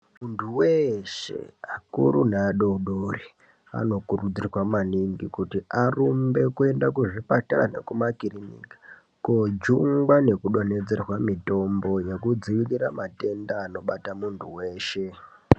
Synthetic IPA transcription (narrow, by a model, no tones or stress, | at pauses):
muntʰuweʃḛakṵɾṵnaːɗoɗori | a̰no̞kurud͡zirwamaniŋɡikutiarumbe̞kue̞ndakuʐipatara̰ne̞̰kumakirinḭki̥ | kod͡ʒuŋɡwane̞kuɗo̞ne̞d͡ze̞rwamito̞mbo̞jekud͡ziʋiliɾamate̞ndaːno̞ɓatamuntʰuwe̞ːʃe̞